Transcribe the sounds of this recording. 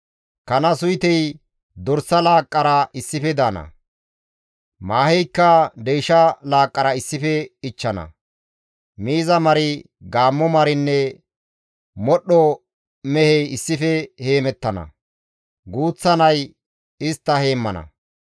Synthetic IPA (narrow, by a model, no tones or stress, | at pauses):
kɐnɐsʊjt̪ɛj | d̪ɔɾsːɐlaːkʼːɐɾɐɪsːɪfɛd̪aːnɐ̰ | maːhɛjkːɐd̪ɛjʃɐlaːkʼːɐɾɐɪsːɪfɛɪt͡ʃːɐnɐ̰ | miːzɐmɐɾɪ | ɡaːmːɔmɐɾɪnːɛ | mɔɗːɔ | mɛhɛjɪsːɪfɛhe̞ːmɛt̪ːɐnɐ̰ | ɡuːt͡sːɐnɐj | ɪst̪ːɐhe̞ːmːɐnɐ̰